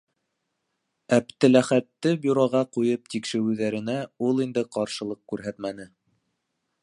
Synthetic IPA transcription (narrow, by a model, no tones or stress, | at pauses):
æpt̪ɘ̆læχæt̪ːɘbʲyɾoʁɑqujɤp̚t̪ikʃɘ̆ɾʉðæɾɘ̆næulˠind̪ɘqɑɾʃɤ̆lˠɤq̚kʉɾɦæt̪mænɘ